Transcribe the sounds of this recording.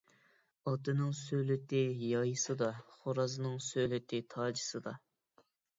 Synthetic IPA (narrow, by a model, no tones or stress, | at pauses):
ɑt̪ɨnɨŋsølɪt̪ɪjɑjɨsɨd̪ɑχoɾɑznɨŋsølɪt̪ʰɪt̪ʰɑːd͡ʒɨsɨd̪ɑ